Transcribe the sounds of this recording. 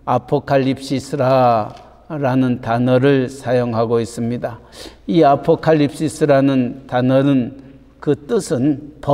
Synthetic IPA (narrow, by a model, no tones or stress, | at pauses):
apʰokʰaʎːip̚s͈isʰɯɾa | ɾanɯntanʌɾɯɭsʰajoŋɦaɡois͈ɯmɲidaiapʰokʰaʎːip̚s͈isʰɯɾanɯntanʌnɯn | kɯt͈ɯsʰɯnpʌ